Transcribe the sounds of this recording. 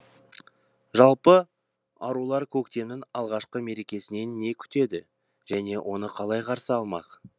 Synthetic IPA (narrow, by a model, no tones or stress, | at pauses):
ʒɑlˠpə | ɑɾulˠɑɾkʲʰɵkt̪e̞mnɪŋɑlˠʁɑʃqəme̞ɾe̞kʲe̞sɪne̞nːe̞kʲʰʏ̥t̪e̞d̪ɪ | ʒ̥æne̞wʔo̞nəqʰɑlˠɑjqʰɑɾsəɑlˠmɑ̰q